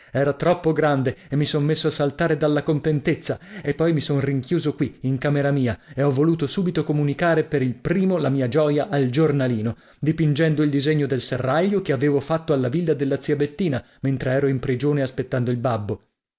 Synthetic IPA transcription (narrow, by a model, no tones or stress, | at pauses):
ɛːɾat̪ɾɔpːoɡɾand̪eemːisɔnmesːoasːalt̪aːɾed̪alːakont̪ent̪et̪sːaepːɔjmisonriŋkjuːzokwiːŋkameɾamiːaeɔvːoluːt̪osuːbit̪okomunikaːɾepeɾilpɾiːmolamiːad͡ʒɔːjaʔald͡ʒornaliːno | d̪ipind͡ʒɛnd̪oild̪izeɲːod̪elserːaʎːokeaveːvofat̪ːoalːavilːad̪elːat̪siabet̪ːiːna | ment̪ɾeɛːɾoimpɾid͡ʒoːneaspet̪ːand̪oilbabːo